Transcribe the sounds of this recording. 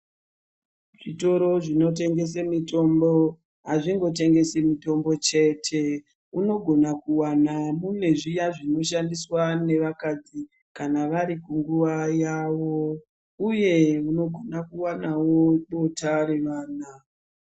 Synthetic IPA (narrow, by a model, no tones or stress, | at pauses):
ʐito̞ɾo̞ʐino̞t̬e̞ŋɡe̞s̬emito̞mbo̞ | ɦaʐiŋɡo̞te̞ŋɡe̞semito̞mbo̞t͡ʃe̞ːtʰe̞ | uno̞ɡʱo̞nakuwanamune̞ʐijaʐino̞ʃandiswane̞ʋakad͡zi | kanaʋaɾikuŋɡuʋajaʋo̞ | uje̞uno̞ɡʱonakuwanawo̞ɗo̞tʰaɾe̞ʋaːna